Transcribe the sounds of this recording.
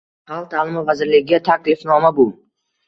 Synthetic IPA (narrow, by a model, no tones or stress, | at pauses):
halˠt̪ʰalˠɪmɪvazɪɾlɪɡʲɪɡʲat̪ʰaklɪfnɒmabʊ